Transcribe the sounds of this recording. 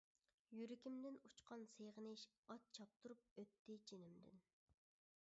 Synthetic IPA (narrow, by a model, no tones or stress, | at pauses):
jyɾɪkʲimd̪ɪnut͡ʃqɑnseʁənɪʃ | ɑt̪̚t͡ʃʰɑp̚t̪ʰuɾup̚øt̪ːɪt͡ʃʰenɪmd̪ɪ̰n